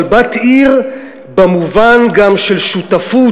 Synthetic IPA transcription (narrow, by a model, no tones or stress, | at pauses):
lbat̪iʁ | bamuvanɡamʃelʃutafu